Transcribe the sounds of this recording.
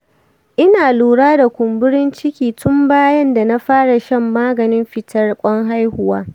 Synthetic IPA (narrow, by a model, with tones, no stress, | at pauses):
ʔɪ˦naː˨luː˨ɽaː˦da˨kʷʊ˨mbʊ˦ɽɪ˦nt͡ʃɪ˦kʲiː˨tʊ˦mbaː˦jɐ˦nda˨na˦ɸaː˦ɽa˨ʃɐ˦mːaː˦ɡɐ˨nɪ˦mɸɪ˨tɐ˦rkʷʼɔ˦ŋɦa˦jhʊ˨waː˦